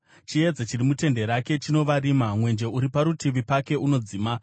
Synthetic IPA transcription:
t͡ʃie̞d͡zet͡ʃirimute̞nde̞ɾake̞t͡ʃino̞ʋaɾimamwe̞nd͡ʒe̞uɾipaɾutiʋipake̞ʔuno̞d͡ziːma

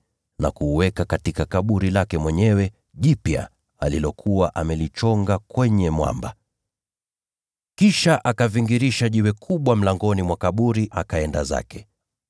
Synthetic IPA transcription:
na̰kuːwɛkakatikakaɓuɾilakɛmwɛɲɛwɛ | ʄipja̰ | alilɔkʰuwaʔamɛlit͡ʃɔŋɡakwɛɲɛmwa̰mba | kiʃaʔakaviŋɡiɾiʃaʄiwɛkʰuɓwam̩laŋɡɔnimwakaɓuɾiʔakaɛnda̰za̰kɛ

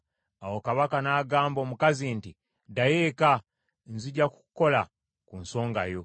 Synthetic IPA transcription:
awo̞kaβakanaːɡaːmbo̞ːmukazinti | dajeka | nziɟaku̥ko̞la | kunso̞ːŋɡajo̞

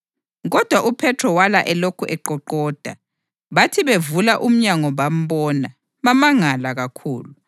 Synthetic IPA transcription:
ɣɔd̥ʱwaʔupʰɛtʰrɔwalaʔɛlokʰuʔɛǃɔǃɔːd̥ʱa̰ | βatʰiβevulaʔum̩ɲaŋɔβam̩bɔna | βamaŋalaɣakʰṵːlu

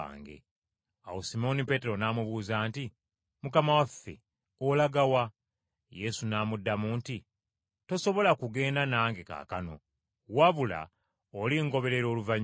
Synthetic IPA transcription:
a̰ːŋɡe̞̰ | a̰wosimo̞nipe̞te̞ɾo̞naːmuβuːzaːnti | mukamawafːe̞̰ | olaɡawa | je̞sunaːmudːamuːnti | to̞so̞βo̞lakuɡe̞ːndanaːŋɡe̞ka̰ːkano̞̰ | waβula̰ | oliŋɡo̞βe̞ɾe̞ɾo̞ːluvaɲ

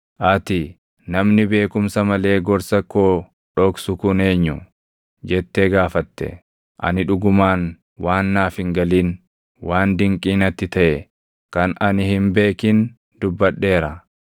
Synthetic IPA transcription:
ʔɐt̪ɪ | nɐmnɪbe̞ːkʊmsɐmɐle̞ːɡɔɾsɐkːoː | ᶑɔksʊkʊne̞ːɲːʊ | d͡ʒɛt̪ːeɡaːfɐt̪ːɛ̰ | ʔɐ̰nɪᶑʊɡʊmaːn | waːnːaːfɪŋɡɐliːn | waːnd̪ɪŋkʼiːnɐt̪ːɪt̪ɐʔɛ | kɐnɐnɪhɪmbe̞ːkiːn | d̪̥ʊbːɐᶑːe̞ːɾɐ

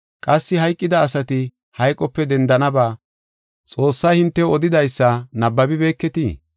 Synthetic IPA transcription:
kʼɐsːɪɦɐjkʼːɪd̪ɐːsɐt̪ɪ | hɐjkʼːɔpːɛd̪ɛnd̪ɐnɐbaː | t͡sʼo̞ːsːɐjhɪnt̪ːɛɔd̪ɪd̪ɐjsːɐnɐbːɐbɪbe̞ːkːɛt̪iː

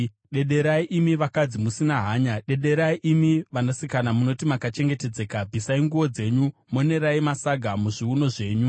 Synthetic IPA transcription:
ɗe̞ɗe̞ɾaiʔimiʋakad͡zimusinaɦaːɲaɗe̞ɗe̞ɾaiʔimiʋanosikanamuno̞timakat͡ʃe̞ŋɡe̞te̞d͡ze̞ːkabʱisaiŋɡuʋo̞d͡ze̞ɲumo̞ne̞ɾaimasaɡʱamuʐiuno̞ʐe̞ːɲu

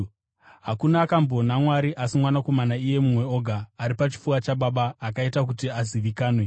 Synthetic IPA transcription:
ɦakunaːkambo̞namwaɾiʔasimwanako̞manaije̞mumwe̞o̞ɡʱaːɾipat͡ʃi̥fuat͡ʃaɓaɓaːkaitak̬utiaziʋikaːnwe̞

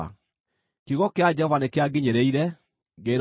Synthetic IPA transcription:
a̰ | kiɣɔkead͡ʒɛɔvanekeaɡiɲeɾeiɾɛ | ɡeɾ

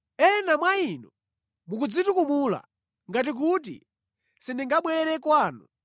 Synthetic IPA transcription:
ɛnamwainu | muk̬ud͡zitukumula̰ | ŋɡat̬ik̬ut̬ḭ | sindiŋɡaɓwɛɾɛkwaːnu

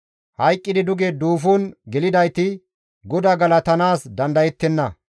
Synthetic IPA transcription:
hɐjkʼːɪd̪ɪd̪ʊɡed̪uːfuːnɡɛlɪd̪ɐjt̪ɪ | ɡɔd̪aɡɐlɐt̪ɐnaːsd̪ɐnd̪ɐjɛt̪ːɛnːɐ

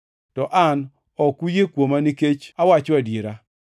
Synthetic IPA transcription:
tɔʔan | ɔkujekwomaniket͡ʃawat͡ʃoadjeɾa

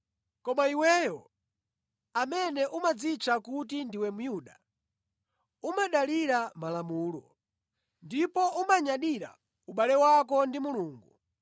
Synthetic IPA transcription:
kɔmaiwɛjɔ | amɛnɛʔumad͡zit͡ʃʰakut̬indiwɛmujuːɗa | umaɗaliɾamalamuːlɔ̰ | ndipɔʔumaɲaɗiɾa̰ | uɓalɛwak̬ɔndimuluːŋɡu

